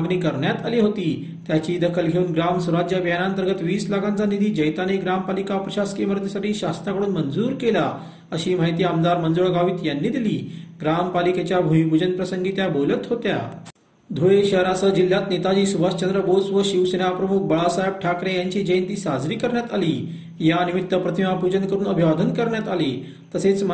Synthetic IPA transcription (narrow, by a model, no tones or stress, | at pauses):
ɡniːkəɾɳjat̪aliːɦot̪iː | t̪jat͡ɕiːd̪əkʰəlɡʱeuːnɡɾamsuɾad͡ʑjəbjanant̪əɾɡət̪ʋiːslaɡãnt͡sanid̪ʱiːd͡ʑəjt̪aneɡɾampalikapɾəɕaskiməɾd̪jəsaʈʰiːɕast̪ɾakəɽuːnmənd͡zuːɾkela | əɕiːmaɦit̪iːamd̪aɾmənd͡zoɭɡʱaʋiːt̪janːiːd̪iliːɡɾampaliket͡ɕjabʱumibʱud͡ʑənpɾəsəŋɡiːt̪jabolət̪ɦot̪ja̰ | d̪ʱoeɕəɦɾasəd͡ʑil̤ːjat̪net̪ad͡ʑiːsuʋast͡ɕənd̪ɾəbod͡zʋəɕiʋsenapɾəmuk̚bəɭasajb̚ʈʰakɾejaɲt͡ɕiːd͡ʑəjnt̪iːsad͡zɾiːkəɾɳjat̪aliː | janimit̪ːəpɾət̪ʰimapud͡ʑənkəɾuːnəbʱiʋad̪ʱənkəɾɳjat̪aliː | t̪əset͡sm